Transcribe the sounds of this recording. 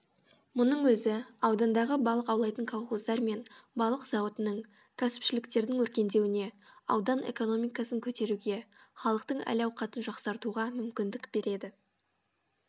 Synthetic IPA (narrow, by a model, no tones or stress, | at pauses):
mʊnəɴwɵzɪɑwd̪ɑnd̪ɑʁəbɑlˠəqɑwlˠɑjt̪əŋkʰalˠχozd̪ɑɾme̞nbɑlˠəqz̥ɑwot̪ənəɴ | kʲʰæsɪ̥pʃɪlɪkt̪e̞ɾd̪ɪŋwɵɾkʲe̞nd̪e̞wɪne̞ɑ̰wd̪ɑne̞̰ko̞no̞mijkɑsəŋkʲʰɵt̪e̞ɾuɡʲe̞χɑlˠəq̚t̪əɴæ̰lɑwqʰɑt̪ənʒɑqsɑɾt̪uʁɑmʏmkʲɪnd̪ɪkbe̞ɾe̞d̪ɪ